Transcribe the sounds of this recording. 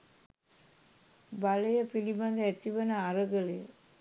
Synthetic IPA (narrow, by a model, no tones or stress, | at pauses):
baləjəpiliband̪əæt̪iʋənəaɾəɡəlejə